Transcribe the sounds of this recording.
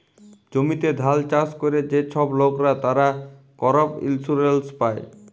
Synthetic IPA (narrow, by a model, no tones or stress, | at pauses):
d͡ʑomit̪ed̪ʱalt͡ɕaskoɾed͡ʑeʃʰɔblokɾat̪aɾa | kɔɾopḭlsuɾelspae